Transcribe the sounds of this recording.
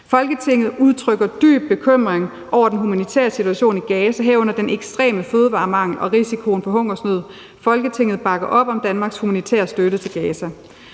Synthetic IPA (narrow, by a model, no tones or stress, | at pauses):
fɒ̽lɡ̥ət͡sʰe̝ŋ̰ð̞̩ˠuð̞ˠt͡sʰʁœɡ̥ɐd̥y̰ːb̥̚ːe̝kʰøm̰ʁeŋ | ʔɒʊ̰ɐd̥enɦumænit͡sʰæ̰ːɐsit͡sʰuæɕo̝̰ːniɡ̥ɛːsæɦæɐ̰ɔ̽n̰ɐd̥enʔeɡ̥sd̥ʁɛ̰ːməføːðˠəʋɑ̈ːmɑ̈ŋ̰l̩ɒ̽ʁisikʰo̝ːnfɒ̽ɦɔ̽ŋ̰ɐsnøð̞̰ˠ | fɒ̽lɡ̥ət͡sʰe̝ŋ̰ð̩ˠb̥ɑ̈ɡ̥ɐʔɒ̽b̥ɒ̽md̥ænmɑ̈ːɡ̥shumænit͡sʰæ̰ɐsd̥øɾət͡sʰe̝lɡ̥ɛːsæ